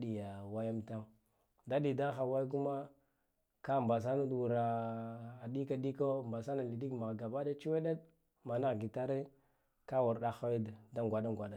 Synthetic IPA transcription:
di˨ja˨wa˦ja˦mta˦ŋ | da˦ɗi˨da˦xa˨wa˦k̬u˦ma˦ | ka˦˨mba˨s̬a˦nu˦du˨ɾa˨ | a˨di˦ka˦di˦ko˦mba˨sa˦na˨li˨di˦kma˨ɡa˨ba˦da˦t͡ʃi˦we˦ɗe˦d | ma˨na˦ɣɡi˨ta˦ɾi˦ | ka˦wu˨ɾɗa˦xa˦wi˦dda˦ŋɡʷa˨da˦ŋɡʷa˨da˨

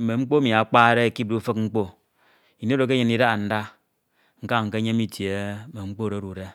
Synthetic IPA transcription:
me˨ŋ͡m̩˦k͡po˦mi˨a˨˦k͡pa˦ɾe˦e˨ki˦p̚du˦fɨ˦k̚ŋ͡m̩˦k͡po˦ | i˨ne˦ɾo˨ke˦ɲe˨ni˦da˦˨n̩˦da˦ | ŋ̩˦ka˦˨ŋ̩˨ke˦ɲe˦mi˦tje˨˦me˨ŋ͡m̩˦k͡po˦˨ɾe˨˦ɾu˨ɾe˦

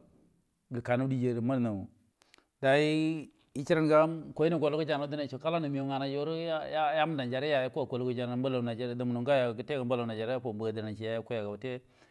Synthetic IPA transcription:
ɡə˨ka˨nu˦di˦d͡ʒe˨ɾi˨ma˦ɾna˨u˨ | da˨ji˦ | i˦t͡ʃi˦ɾa˦nɡa˦mko˨i˦ni˨ɡo˨lu˦ku˦d͡ʒa˨n˨˦dna˦i˨t͡ʃo˨ka˦la˦nu˨mi˨jo˨ŋa˨na˨d͡ʒo˦ɾu˦ja˦ja˦m˦da˨nd͡ʒa˨ɾe˦ja˨ja˦ka˨ko˨lu˦ku˦d͡ʒa˨n˨˦ba˦la˨na˨d͡ʒa˨ɾda˨m˨nu˨ŋɡa˦ja˨ɡə˨te˦ɡa˨m˦ba˦la˨na˨d͡ʒa˨ɾe˦po˨mbu˨ɡa˨də˨na˨nt͡ʃi˨ja˨ja˦ku˦ja˨ɡa˨u˨te˦

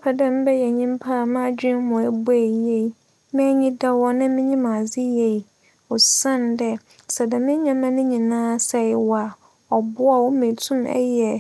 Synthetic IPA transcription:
pʰa˨dɛ̃˦m̩˦bɛ˦jɛ˨ɲĩ˦m˦pʰa˦˨mã˦˨d͡ʑᶣɪ̃˦nmʊ̃˨æ˨bu˦æ˨jɛ˦i˨ | mɪ̃˦ɲĩ˦da˦wɔ˦nã˦mɪ̃˦ɲĩ˦mã˨d͡zɪ˦jɛ˨ | ɔ˨sã˦˨ndɛ˦ | sɛ˨dɛ˨mɪ̃˦ɲã˦mã˦nɪ̃˦ɲĩ˨nãː˦sɛ˨˦wa˨ | ɔ˨bʊ˦a˨wʊ˦mĩ˨tʰʊ̃˦mɛ̰˦jɛ˨

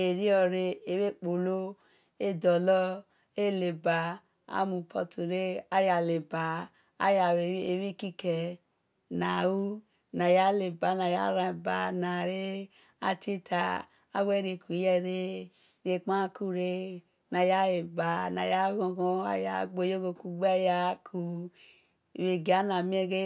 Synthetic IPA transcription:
e˨ɾi˦ɔ˧ɾe˧e˨we˦k͡po˨lo˦ | e˦dɔ˨lɔ˦ | e˦˨le˨ba˨ | a̰˦mu˨pʰɔ˧tu˨ɾe˦a˦ja˨le˨ba˨ | a̰˦ja˨˦e˨˦wi˦ki˦kɛ˨ | na˨wu˦ | na˨ja˦le˨ba˨˦na˨ja̰˦ɾa˧˨ba˨na˨ɾe˦ | a̰˦tʰi˦tʰa˨ | a˦wɛ˦ɾe˧ku˨jɛ˦ɾe˦ | ɾe˨˧k͡pa˦ku˦ɾe˦ | na˨ja˦e˨ba˨na̰˨ja˦ɣo˧ɡɔ˦a̰˦ja̰˨ɡ͡bo˨jo˦ɡo˧ku˦ɡ͡ba˦ja˧kʰu˨ | we˨ɡa˨˦na˨mi˦ɛ˦ɡe˦

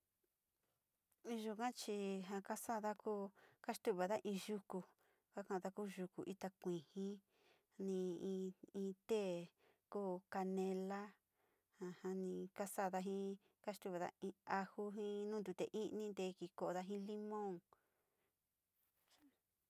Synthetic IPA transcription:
ʒu˧˨kã˦t͡ʃi˧ɦã˧ka˦sa˦˨ða˦kuː˦ka˦ʂt̪u˦˨βa˨ða˦ʔĩː˧ʒu˦˧ku˧ | ka˦kã˧ða˧kuː˦ʒu˧kṵ˨ʔi˦t̪a˧kʷĩ˨hĩ˦ | nĩ˧ĩ˧ĩː˧t̪e˦˨ | kuː˦˨ka˧nẽ˧la˦ | hã˧hã˧nĩ˧ka˦sa˦˨ða˧ɦĩ˦ | ka˦ʃt̪u˧˦βe˨ða̰˦ĩ˧a˧hu˦ɦĩ˦nũ˦d̪u˨˧t̪ḛ˨ʔĩ˦nĩ˦nd̪e˧ki˧ko˧ʔo˨˧ða˧ɦĩ˦li˦mõ˦˨ŋ

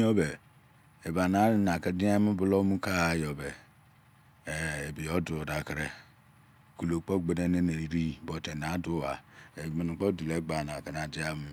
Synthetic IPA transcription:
o˦be˨ | e˨ba˨na˨˦na˨ka˦di˦a˦mu˦bu˦lo˦mu˦ka˦a˨jɔ˨be˨ | e˨bi˨jo˦du˨da˨kɾe˨ | ku˨lo˨k͡po˦ɡ͡be˨ne˦ne˦ne˨i˨ɾi˦˨bo˨te˨n˨a˨˦du˦wa̰˨e˨me˨nu˨k͡pɔ˦du˨le˨˦ɡ͡ba˨n˨a˨ka˨na˨d͡ʒi˦a˦mu˦

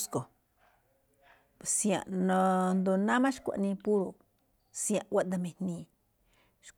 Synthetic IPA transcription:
sko˨ | psĩ˧ã̰˨ʔnõ˧nd̪o˧nã˦mã˦ʃkʷa̰˨nĩ˧pu˦ɾo˨ | sj̃ã˧ʔwa˦ʔd̪a˧mẽ˧nnĩ˧˨ | ʃ

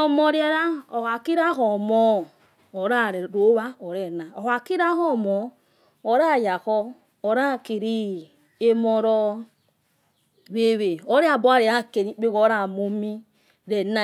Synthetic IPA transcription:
ɔ˨mɔ˨ɾi˦ɛ˦ɾa˦o˨ha˨ki˦ɾa˦ɦɔ˨mɔː˦˨ | ɾa˦˨ɾɛ˨ɾo˨˦βa˦ɔ˨ɾɛ˨na˨o˨ha˨ki˦ɾa˦ɦɔ˦˨mɔ˨ | o˨˦ɾa˦˨ja˨ɣɔ˦ | o˨ɾa˦˨ki˨ɾi˦ | e˦mɔ˦ɾɔ˦ | βe˦˨βe˨o˦ɾe˦a˨bɔ˦a˦ɾe˨a˦ke˨ɾi˨˦k͡pe˦ɣɔ˦ɾa˦˨mo˦mi˦ | ɾɛ˨na˦˨

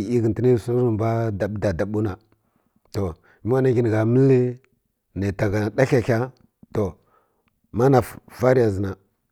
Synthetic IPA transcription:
i˦ɡə˨nti˦ni˦˨su˦u˦˨ba˦da˨ɓda˨da˨ɓu˦na˨ | to˨ | mi˦wa˦na˨ɡi˨n˨ɡa˨mə˦li˦ | ne˨ta˨ɡa˨da˦ɬa˨kʲa˦ | to˨ | ma˦na˨fva˦ɾi˦ja˨zi˨na˨

